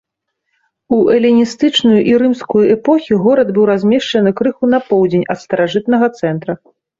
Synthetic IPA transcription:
uʔɛlʲinʲist̪ɨt͡ʂnujuʔiɾɨmskujuɛpɔxʲiɣɔɾɐd̪bɨwɾazʲmʲɛʂt͡ʂɐnɨkɾɨxun̪ɐpɔwd͡zʲenʲɐt̪st̪ɐɾaʐɨt̪̚nɐɣɐt̪sɛnt̪ɾɐ

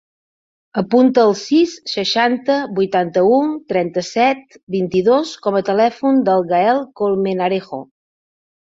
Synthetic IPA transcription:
əpunt̪əːlˠsisːəʃant̪əbujt̪ant̪əut̪ɾɛnt̪əsɛt̪̚ | bint̪iðoskɔmət̪əlɛfund̪əlˠɣaɛlˠkolˠmenaɾexo̰

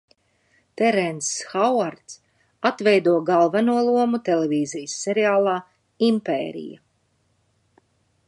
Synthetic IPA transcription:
t̪ɛɾɛnsxawaɾt̪s | at̪vɛjd̪uɔɡalˠvanuɔlˠuɔmut̪ɛleviːzijsːɛɾɛaːlˠaː | impḛːɾḭja̰

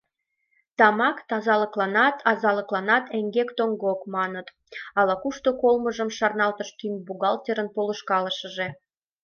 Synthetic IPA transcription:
t̪ɑmɑkt̪ɑzɑləklɑnɑt̪ʰɑzɑləklɑnɑt̪eŋɡekt̪oŋɡokmɑnət̪ | ɑlɑkuʃt̪okolməʒəmʃɑrnɑlt̪əʃk̪ynbuɣɑlt̪ʲeɾənpoləʃkɑləʃəʒe

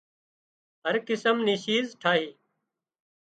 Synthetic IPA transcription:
ɦəɾkɪsəmniːʃiːzʈʰaːɦiː

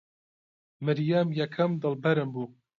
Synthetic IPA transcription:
mɨɾjamjɐkʰɐmd̪ɨlbɐɾɨmbuː

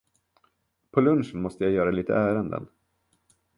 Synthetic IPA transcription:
pʰɔlɵnʂənmɔst̪əjajœːɾaliːt̪ə̰æːɾənd̪ə̰n

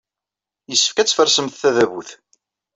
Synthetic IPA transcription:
jəsːə̥fkæt͡sːfəɾsəmθːæðæβuθ

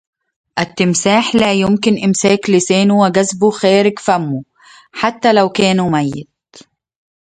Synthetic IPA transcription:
ʔat̪ːɪmsaːħlæːjʊmkɪnʔɪmsæːklɪsæːnuwɪɡæzbʊxæːɾɪɡfæmːu | ħat̪ːælawkæːnumæjːɪd̪̚

